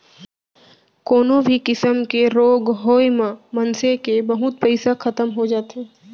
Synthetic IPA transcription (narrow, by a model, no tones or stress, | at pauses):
koːnõbʱikɪsəmkeɾoːɡɦoːjmãmɐnsekebɐɦʊt̪̚pɛɪsakʰɐt̪əmɦod͡ʒaːt̪eː